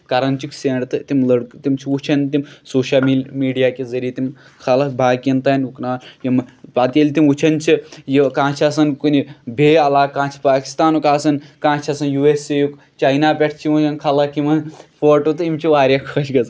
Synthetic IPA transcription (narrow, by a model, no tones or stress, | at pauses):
kɐɾɐnt͡ʃikseːɳɖt̪ɨt̪imlɐɽkt̪imt͡ʃʰiut͡ʃʰɐnʲt̪imsoːʃɐlimiːɖijaːkʲezɐɾiɐt̪im | kʰɐlɐbaːkint̪ɐːnʲuknaːljɐmpat̪ɐlʲt̪imut͡ʃʰɐnʲt͡ʃʰijikãːt͡ʃʰiɐsɐnkunʲibʱeːɐlaːkːãːt͡ʃʰi̥paːki̥st̪aːnukaːsɐnkãːt͡ʃʰiɐsɐnjuːeːsejuk | t͡ʃɐjnaːpʲeʈʰt͡ʃʰimut͡ʃʰɐnkʰɐlɐkimɐnfoːʈot̪ɨimt͡ʃʰiʋaːɾʲjakʰɐt͡ʃʰɡɐz